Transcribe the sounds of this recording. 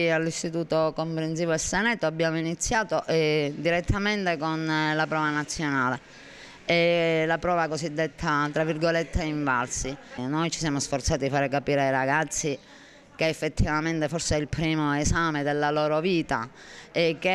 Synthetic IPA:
alːist̪it̪uːt̪okompɾens̬iːvoɛsːɛnɛt̪ːoabːjaːmoinit̪sːjaːt̪oʔɛd̪iɾɛt̪ʰːament̪ekonlapɾɔːvanat̪sːjonaːle | ɛlapɾɔːvakosid̪ːet̪ʰːat̪ɾavːirɡolet̪ʰːeiɱvalsinojt͡ʃisjaːmosfɔrt̪saːt̪id̪ifaːɾekapiːɾeajɾaɡat̪sːi | keɛfːet̪ʰːivament̪efɔɾsɛilpɾiːmoesaːmed̪elːalɔːɾoviːt̪a̰ | ek̟ːe

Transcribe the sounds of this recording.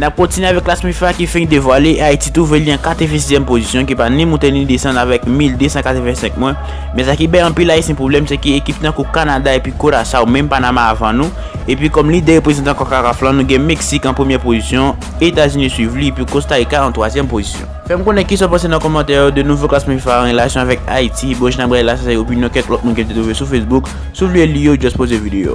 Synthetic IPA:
nap̚kɔ̃t̪inɥeavɛkːlasmifakifɛ̃ĩd̪evwaleait̪it̪uveliãkat̪əvɛ̃s̬izjɛmpozisjɔ̃k̬ipanĩmũt̪ɛnĩd̪esɑ̃d̪avɛkmild̪øsɑ̃kat̪əvɛ̃sɛ̃k̚mwɛ | mɛsakibaj̃pilaisjɛ̃pʁoblɛmsɛkəekip̚t̪ãkukanad̪aepɥikoɾasaumɛ̃mpanamaːvãnũ | epɥikɔmlid̪eʁepʁezɑ̃t̪ãkɔkaʁaflãnũɡɛ̃meksikɑ̃pχəmjɛpozisjɔ̃ | et̪azynĩswivliepɥikõst̪aikãːt̪wazjɛmpozisjɔ̰̃fɛmukõnɛkisɔ̃pãs̬ed̪ãkɔmɑ̃t̪ɛʁjod̪ønuvoklasmãifãːʁelasjɔ̃avɛka̰itʰiboʒinaɡailas̬asɛopinjɔ̃kɛ̃t̪lɔt̚mũnkɛ̃t̪̬et̪uvesufesbuk | suvlielijod͡ʒɔspozevid̪ejo̰

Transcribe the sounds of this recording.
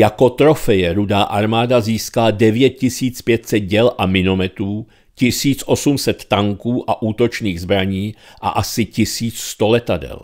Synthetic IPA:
jako̞t̪ɾo̞fɛjɛɾudaːʔaɾmaːdaziːskaladɛvjɛt̪̚cɪsiːt͡spjɛt̪sɛd̪̚ɟɛlʔamɪno̞mɛt̪ɾuː | cɪsiːt͡sʔo̞sumsɛt̪ːaŋkuːʔaʔuːt̪ot͡ʃniːɣzbɾaɲiːʔa̰ʔasɪcɪsiːt͡sst̪o̞lɛt̪adɛ̰l

